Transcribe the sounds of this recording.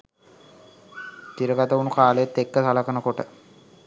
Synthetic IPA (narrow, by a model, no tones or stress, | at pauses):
t̪iɾɐkɐt̪ɐʋunukaːleːt̪ːekːɐsɐlɐkɐnɐkoʈɐ